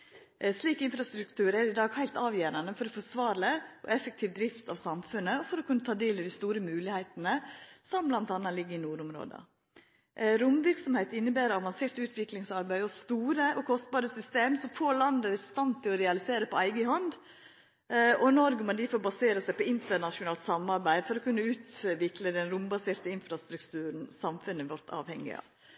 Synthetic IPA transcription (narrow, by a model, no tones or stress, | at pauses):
sliːkɪnfɾɑst̪ɾʉkt̪ʰʉːɾæɾɪd̪ɑːɡhæɪlt̪ɑːʋjæːɾɑnəfɔɾɔfɔsʋɑːɾləʔɔ̰ɛfːəkt̪ʰiːʋd̪ɾɪft̪ɑʋsɑmfʉnːəɔfɔɾɔkʰʉnːət̪ʰɑːd̪eːlɪd̪ɪst̪uːɾəmʉːlɪhæɪt̪ənəsɔmblɑnt̪ɑnːɑlɪɡːəɪnuːɾʊmɾo̰ːd̪ɑ̰ | ɾʊmʋɪɾksɔmheɪt̪ɪnːəbæːɾəɑʋɑnseːɾt̪ʉːt̪ʋɪklɪŋsɑɾbæɪɔst̪uːɾəʔɔkʰɔst̪̚bɑːɾəsʏst̪eːmsɔfoːlɑnd̪əd̪ɛst̪ɑnt̪ʰːɪlɔɾɛɑlɪseːɾəpɔæɪɡəɦɔnd̪ | ɔnɔɾɡəmɑnd̪ɪfoːɾbɑseːɾəsæɪpɔɪnt̪ənɑʂʊnɑːlt̪sɑmːɑɾbæɪfɔɾɔkʉnːəʉːt̪ʋɪkləd̪ɛnɾʊmbɑseːɾt̪əɪnfɾɑst̪ɾʉkt̪ʉːɾən̩sɑmfʉnːəʋɔʈ̪ɑ̰ːʋhɛŋːɪ̰ɑ̰ːʋ